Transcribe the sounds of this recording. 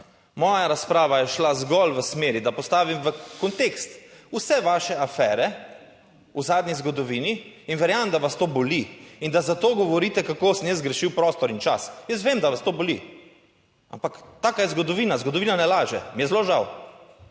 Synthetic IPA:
mɔːjaɾaspɾaːʋajɛʃlazɡɔlʋəsmeːɾid̪apɔst̪aːʋimʋəkɔnt̪ekst̪usɛʋaːʃɛafɛːɾɛ | uzaːd̪nʲizɡɔd̪ɔʋiːniːnʋɛɾjaːʋmd̪aʋast̪oːbɔliind̪azat̪oːɡɔʋɔɾiːt̪ɛkakoːsənjəzɡɾɛʃiwpɾɔːst̪ɔɾint͡ʃasjəs̬ʋeːmd̪aʋast̪oːbɔlḭ | a̰mpakt̪aːkajɛzɡɔd̪ɔʋiːnazɡɔd̪ɔʋiːnanɛlaːʒɛ̰mijɛzloʒaw

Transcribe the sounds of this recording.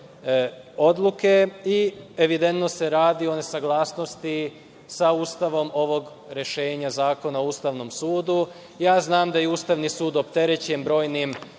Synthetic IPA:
o̞d̪lˠuke̞ieʋid̪e̞nt̪no̞se̞ɾaːd̪io̞ne̞saɡlˠaːsno̞st̪i | sauːst̪aʋo̞mo̞ʋo̞ɡ | ɾe̞ʃe̞ːɲazaːko̞naouːst̪aʋno̞msuːd̪u | jaːznaːmd̪ajeuːst̪aʋnisuːd̪o̞pt̪e̞ɾet͡ɕembɾo̞ːjnim

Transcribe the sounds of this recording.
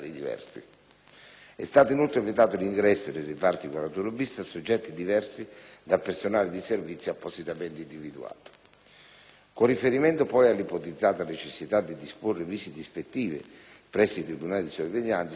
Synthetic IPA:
lid̪ivɛ̰rsḭ | ɛ̰st̪aːt̪ʊinult̪ɾevit̪aːt̪ʊliŋɡɾɛsːʊd̪eripart̪ikalawt̪ulobist̪asod͡ʒːɛt̪ːid̪ivɛrsid̪apersonaːlɪd̪iservit̪sːjoapːosit̪amɛnt̪ɪind̪ivid̪ṵa̰ːt̪ʊ̥ | kʊrːifeɾimɛnt̪ʊpɔjalːipot̪id̪zːaːt̪anet͡ʃesːit̪ad̪ːid̪ispʊrːɪviːsid̪ispet̪ːiːvɪ̰ | pɾɛsːit̪ɾibunaːlid̪isoveʎːant̪

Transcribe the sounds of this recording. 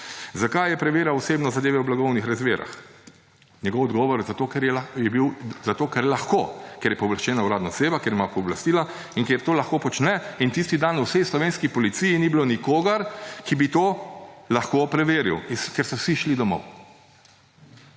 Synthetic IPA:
zakajɛpɾɛʋeːɾjaɔseːbnɔzad̪eːʋɛwblaɡɔwnixɾazmeːɾa̰x | njɛɡɔwɔd̪ɡɔʋɔɾzat̪okɛɾjɛjɛbiwzat̪oːkɛɾjlaxkokeɾjɛpɔblaʃt͡ʃɛːnawɾaːd̪nɔseːbakeɾjimapɔblast̪iːla | inkeɾt̪oːlaxkopɔt͡ʃnɛint̪ist̪id̪anuwsɛjslɔʋeːnskipɔlit̪sijinibilonikoːɡaɾkibit̪oːlaxkopɾɛʋeːɾḭwiskɛɾsɔwsiʃlid̪ɔmɔ̰w

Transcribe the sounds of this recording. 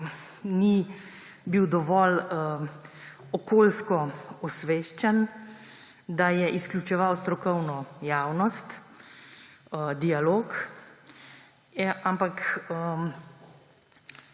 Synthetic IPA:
ni | biwd̪ɔʋɔl | ɔkoːlskɔɔsʋeːʃt͡ʃɛn | d̪ajɛʔisklʲut͡ʃɛʋawst̪ɾɔkɔwnɔjaːwnɔst̪ | d̪ialoːk | ʔampakə

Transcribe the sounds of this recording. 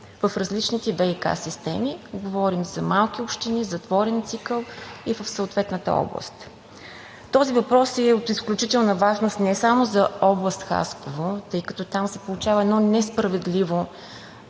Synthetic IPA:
vəfɾɐzlit͡ʃnit̪ɛvɛika̰sist̪ɛ̰miɡovɔɾimzɐmalˠk̟ʲiopʃt̪inizɐt̪vɔɾɛnt̪sikəlˠivəfsəʊt̪vɛt̪nət̪ə̰ɔ̰blˠə̰st̪ | t̪ɔzivɐpɾɔsɛot̪isklʲut͡ʃit̪ɛlˠnəvaʒnost̪nɛsamozɐɔblˠəst̪xa̰skovot̪ɤjkət̪ɔt̪amsɛpolˠut͡ʃavɐɛd̪nɔnɛspɾɐvɛd̪livo

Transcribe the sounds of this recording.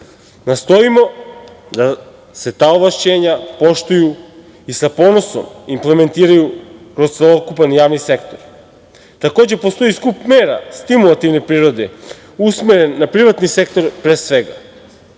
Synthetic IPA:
nast̪o̞imo̞ | d̪a | se̞t̪aːoʋlaʃt͡ɕe̞ːɲapo̞ʃt̪uju | isapo̞no̞so̰mimple̞me̞nt̪iːɾajukɾo̞st̪elˠo̞kupanjaːʋnise̞kt̪oɾ | t̪ako̞ːd͡ʑe̞post̪o̞jiskupme̞ːɾa̰st̪imulˠat̪iʋne̞pɾiːɾo̞d̪e | usmeɾe̞nːapɾiʋat̪nise̞k̚t̪o̞ɾpɾesʋe̞ɡa

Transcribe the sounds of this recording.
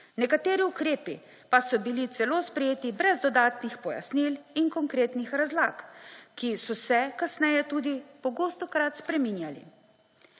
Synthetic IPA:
nɛkat̪eːɾiukɾeːpi | pasɔbilit̪sɛloːspɾɛjeːt̪ibɾɛzd̪ɔd̪aːt̪nixpɔja̰sniliŋkɔŋkɾeːt̪nixɾazlaːkkːisɔsɛkasnɛjɛt̪uːd̪ipɔɡoːst̪ɔkɾat̪spɾɛmiːnjalḭ

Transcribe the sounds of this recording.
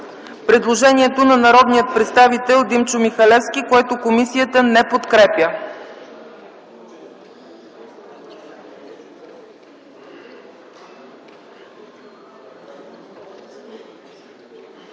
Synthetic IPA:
pɾɛd̪lˠoʒɛniɛt̪onɐnɐɾɔd̪nijət̪̚pɾɛt̪st̪avit̪ɛlˠd̪imt͡ʃʊmixɐlɛfskʲikoɛt̪okomisijət̪ənɛpot̪kɾɛpjə

